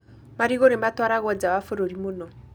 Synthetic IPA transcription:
maɾiɣoɾematwaɾaɣwɔd͡zawafoɾoɾimonɔ

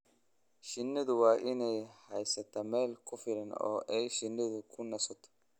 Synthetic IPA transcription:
ʃɪnːɪd̪ʊwaːʔɪnɛjhɐjsːɛt̪ːɐmeːlkʰʼʊfɪɾɛno̰ːʔɛjʃɪnːɪd̪ʊkʰʊnːɐsɔt̪ːɐ̥

